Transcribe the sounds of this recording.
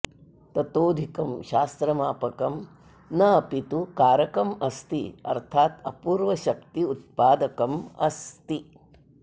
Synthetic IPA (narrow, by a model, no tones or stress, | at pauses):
t̪ɐt̪oːd̪ʱikɐmʃaːst̪ɾɐmaːpɐkɐm | nɐɐpit̪ukaːɾɐkɐmɐst̪iɐ̰ɾt̪ʰaːt̪ɐpuːɾʋɐʃɐk̚t̪iut̪̚paːd̪ɐkɐmɐ̰st̪i